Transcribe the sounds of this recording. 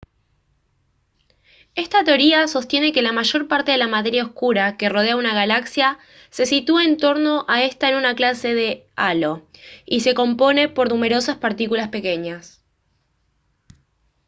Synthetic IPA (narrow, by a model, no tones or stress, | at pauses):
e̞st̪at̪eo̞ɾiaso̞st̪je̞ne̞ke̞lamaʒo̞ɾpaɾt̪e̞ð̞elamat̪e̞ɾjaoskuɾake̞ro̞ð̞e̞aunaɣ̞alaksja | se̞sit̪uaent̪o̞ɾno̞ʔae̞st̪aenunaklase̞ðe̞ | alo̞ise̞ko̞mpo̞ne̞po̞ɾnume̞ɾo̞saspaɾt̪ikulaspe̞ke̞ɲas